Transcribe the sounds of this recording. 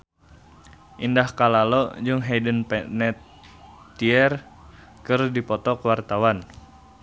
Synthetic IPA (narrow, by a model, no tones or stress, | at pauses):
ʔindahkalalɔd͡ʒɨŋɦɛdənpɛnɛt̪ː | iɛr | kɨrdipɔt̪ɔkəwart̪awan